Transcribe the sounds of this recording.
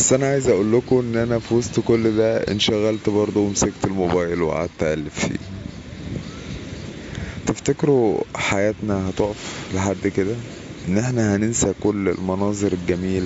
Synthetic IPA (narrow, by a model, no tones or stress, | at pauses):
bæsːʔænæʕajezʔæʔuːlːokoʔenːʔænæfiwɑst̪kolːd̪æḛnʃæɣælt̪bɑɾˤd̪ˤowemsæɡt̪elmobæːjelwḛʕa̰ːt̪ːʕælːeffḭː | t̪eft̪ækeɾuħajæːt̪næhæt̪oʔæfleħad̪ːked̪æ | ʔenːʔeħnæhænensækolːḛlmɑnɑːzˤeɾelɡæmiːl